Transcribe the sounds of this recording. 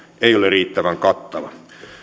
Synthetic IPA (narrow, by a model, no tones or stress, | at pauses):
eioleriːt̪ːæʋæŋkɑt̪ːɑʋɑ̰